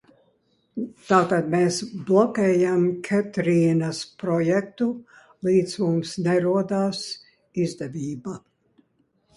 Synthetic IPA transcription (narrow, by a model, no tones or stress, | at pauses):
t̪aːt̪ad̪meːsblˠɔkʲɛːjamkʲʰɛt̪ɾiːnaspɾɔjɛkt̪u | lˠiːd̪zmumsnɛɾuɔd̪aːs | izd̪ɛvʲiːba